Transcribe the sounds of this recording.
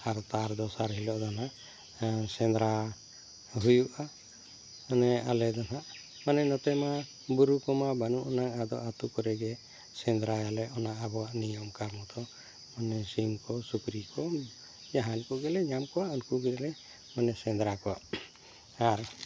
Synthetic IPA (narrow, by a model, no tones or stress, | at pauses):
aɾt̪aɾd̪ɔsaɾɦilɔʔd̪anaʔ | sɛnd̪ɾa | ɦujuʔa | ɔnɛa̰lɛd̪anaʔ | manɛnɔt̪ɛma | buɾukɔmabanuʔɔnaŋad̪ɔ̰ʔat̪ukɔɾɛɡɛ | sɛnd̪ɾajalɛɔnaʔabɔwaʔnijɔmkaɾmɔt̪ɔ | manɛsimkɔsukɾikɔ | d͡ʒaɦankɔɡɛlɛɲamkɔwaʔunkuɡɛlɛ | manɛsɛnd̪ɾakɔwaʔ | aɾ